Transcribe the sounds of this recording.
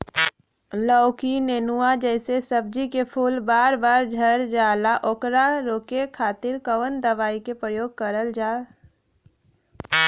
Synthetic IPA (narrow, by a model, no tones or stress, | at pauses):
lɔːʊkineːnuad͡ʒɛːsesəb̚d͡ʒikepʰuːlbaːɾbaːɾd͡ʒʱəɾd͡ʒaːlaʔoːkɾaɾoːkekʰaːt̪ɪɾkəʋənd̪əʋaːikepɾəjoːɡ̚kəɾəld͡ʒaː